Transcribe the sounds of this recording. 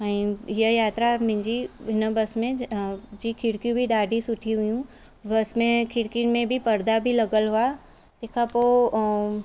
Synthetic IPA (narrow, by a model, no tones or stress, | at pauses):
ɛ̃ɦijəjaːt̪ɾamɪ̃ɲd͡ʑiɦɪnəbɐsmẽd͡ʑiːkʰɪɽkjũbʱiɗaːɖʱisʊʈʰiɦʊjũ | bɐsmẽkʰɪɽkimẽbʱipɐɾd̪abʱilɐɡəlɦʊa | t̪eːkʰapo